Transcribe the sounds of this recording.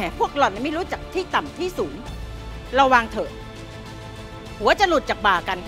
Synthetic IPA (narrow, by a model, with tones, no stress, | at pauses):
ɛː˨˩˦pʰu˥˩ək̚lɔ˨˩na˧˩ma˥˩˧ɾuː˦˥t͡ɕa˨˩k̚t̪ʰiː˥˩t̪a˨˩mt̪ʰiː˥˩suː˩˦n | ɾa˧waː˧ŋt̪ʰɤː˨˩t̪̚ | hu˩˦ɐt͡ɕa˨˩lu˨˩t̪̚t͡ɕaː˨˩k̚baː˨˩ka˧n